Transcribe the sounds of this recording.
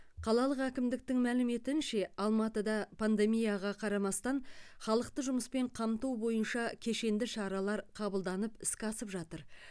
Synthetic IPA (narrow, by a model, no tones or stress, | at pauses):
qʰɑlˠɑlˠəqækʲɪmd̪ɪk̚t̪ɪŋmælɪme̞t̪ɪnʃe̞ɑlˠmɑt̪əd̪ɑpʰand̪e̞mijaʁɑqʰɑɾɑmɑst̪ɑɴχɑlˠəq̚t̪əʒʊməspe̞ɴqʰɑmt̪uwbo̞jənʃɑkʲʰe̞ʃe̞nd̪ɪʃɑɾɑlˠɑɾqʰɑbəlˠd̪ɑnəpɪskʲɑsəpʒɑt̪əɾ